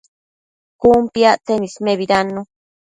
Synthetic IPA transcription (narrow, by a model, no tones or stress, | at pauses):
kumpjat͡s̪enismeβiɾano